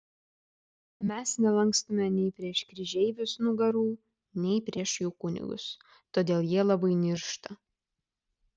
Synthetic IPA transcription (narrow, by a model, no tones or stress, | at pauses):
mʲɛsnʲɛlˠɐŋkst̪ʊmʲɛnʲɛɪpʲɾʲiɛʃkɾʲɪʒʲɛɪʋʲʊsnʊɡɐɾuː | nʲɛɪpʲɾʲiɛʃjuːkʊnʲɪ̰ɡʊ̰s | t̪oːd̪ʲeːlˠjiɛlˠɐbɐɪnʲɪɾʃt̪ɐ